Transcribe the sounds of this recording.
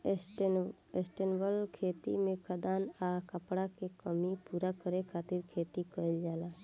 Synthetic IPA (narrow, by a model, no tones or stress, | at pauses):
esʈ | esʈenbəlkʰeːt̪ḭmẽkʰəd̪anakəpɽakekəmipuːɾakəɾekʰat̪ɪɾkʰeːt̪ikəjld͡ʒaːla